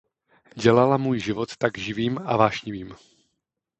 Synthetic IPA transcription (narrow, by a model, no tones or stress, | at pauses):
ɟɛlalamuːjʒɪvot̪ːaɡʒɪviːmavaːʃɲɪviːm